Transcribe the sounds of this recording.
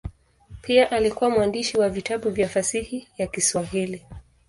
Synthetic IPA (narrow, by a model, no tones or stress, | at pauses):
pʰiaʔalikuwamwandiʃiwavitaɓuvjafasihijakiswaɦili